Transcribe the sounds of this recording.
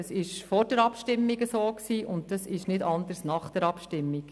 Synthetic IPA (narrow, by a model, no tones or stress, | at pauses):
sɪʃfɔːɾd̥ɛɾɑpʃtɪmːiɡəsoːksiːʔʊnt̚d̥ɑsɪʃnɪdɑnd̪əɾsnɑχd̥ɛɾɑpʃtɪmːik